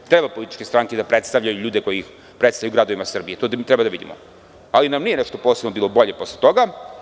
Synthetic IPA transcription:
t̪ɾebapo̞lit̪i̥t͡ʃkest̪ɾaŋked̪apɾet̪st̪avʎajuʎuːd̪e̞ko̞jiix | pɾet̪st̪ajuɡɾad̪o̞ʋimasr̩bijet̪ot̪ɾɛbad̪aʋid̪imo̰ | alinamnijenɛʃt̪oposenobiːlˠo̞bo̞ʎe̞po̞slˠet̪o̞ɡa

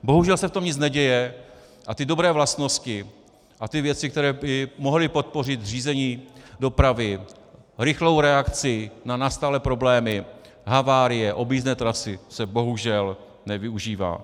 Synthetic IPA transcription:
bo̞ɦuʒɛlsɛft̪o̞mɲɪt͡snɛɟɛjɛ | ʔat̪ɪdo̞bɾɛːvlast̪no̞scɪ | ʔat̪ɪvjɛt͡sɪkt̪ɛɾɛːbɪmo̞ɦlɪpo̞t̪̚po̞r̝ɪt̪r̝iːzɛɲiːdo̞pɾavɪ | ɾɪxlo̞wɾɛakt͡sɪnanast̪alɛpɾo̞blɛːmɪ | ɦavaːɾɪjɛʔo̞biːznɛːt̪ɾasɪsɛbo̞ɦuʒɛl | nɛvɪuʒiːva̰ː

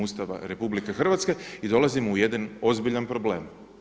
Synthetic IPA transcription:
ust̪aʋa̰ɾe̞publikexr̩ʋat̪ske̞id̪o̞lˠazimoujed̪ano̞zbiʎanpɾo̞bleːm

